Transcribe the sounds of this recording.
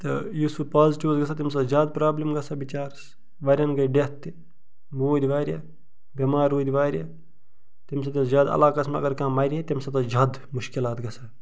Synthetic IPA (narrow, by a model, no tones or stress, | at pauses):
t̪ɨjisupaːziʈiʋsɡɐsat̪imsɐzjaːd̪̚pɾaːblimɡɐsabit͡ʃaːɾs | ʋɐːɾʲɐnɡɐɖet̪ːi | moːd̪ʲʋaːɾʲja | bʲimaːɾoːd̪ʲiʋaːɾʲja | t̪imsɐt̪ɐzʲaːd̪ɐ̰laːkɐsmeɐ̰ɡɐɾkãːmɐɾʲiet̪imsɐt̪ɐd͡ʒaːd̪ | mʊʃkilaːt̪ɡɐsʰa